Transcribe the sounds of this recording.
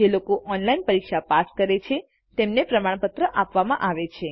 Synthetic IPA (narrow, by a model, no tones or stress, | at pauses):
elokoʔɔnlainpəɾikʃapaskəɾet͡ʃʰe | t̪emnepɾəmaɳ̃pət̪ɾəʔapʋamã̰ʔaʋet͡ʃʰe